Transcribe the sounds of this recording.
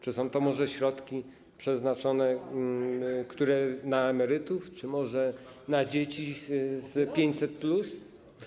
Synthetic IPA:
t͡ʂɨsɔ̃w̃t̪ɔmɔʐɛɕɾɔt̪kʲi | pʂɛznat͡ʂɔnɛ | kt̪uɾɛnaɛmɛɾɘt̪uft͡ʂɘmɔʐɛnad͡ʑet͡ɕizpʲjeɲt͡ɕsɛt̪̚plus

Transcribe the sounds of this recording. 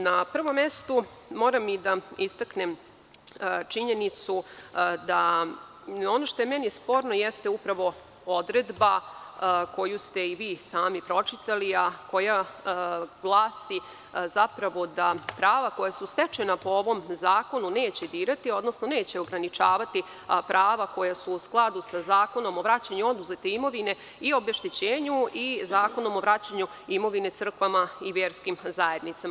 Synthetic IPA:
napr̩ʋo̞mːest̪u | mo̞ːɾamːid̪aist̪aknem | t͡ʂiɲe̞nit̪sud̪a | o̞noʃt̪o̞jemɛnispo̞ːɾno̞jest̪eupɾaʋo̞ | o̞d̪ɾed̪ba | ko̞just̪eiʋiːsaːmipɾo̞t͡ʂit̪aliako̞ja | ɡlˠaːsi | zapɾaʋo̞d̪apɾaːʋako̞jasust̪et͡ʃe̞napo̞oʋo̞mzaːko̞nune̞ːt͡ɕe̞d̪iːɾat̪io̞d̪no̞sno̞ne̞ːt͡ɕe̞o̞ɡɾanit͡ʂaːʋat̪i | pɾaːʋako̞jasuːsklˠad̪usazaːko̞no̞mo̞ʋɾat͡ɕaɲuo̞d̪uzet̪eimo̞ʋine̞ | io̞beʃt̪it͡ɕeːɲuizaːko̞no̞mo̞ʋɾat͡ɕaɲu | imo̞ʋine̞t̪sr̩kʋamaiʋjeːɾskimzaje̞d̪nit̪sama

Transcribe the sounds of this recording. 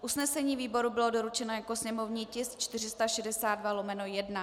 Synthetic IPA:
ʔusnɛsɛɲiːviːbo̞ɾubɪlo̞do̞ɾut͡ʃɛnojako̞sɲɛmo̞vɲiːcɪst̪t͡ʃt̪ɪrɪst̪aʃɛdɛsaːd̪̚dvalo̞mɛnojɛdna

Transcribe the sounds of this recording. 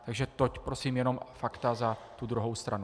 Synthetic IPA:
t̪aɡʒɛt̪ocpɾo̞siːmjɛno̞mfakt̪azat̪ud̪ɾuɦo̞wst̪ɾanu

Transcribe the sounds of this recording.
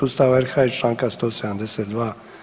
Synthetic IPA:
ust̪aʋaɛɾxait͡ʃlãːŋkast̪oːsɛd̪amd̪ɛset̪̚d̪ʋaː

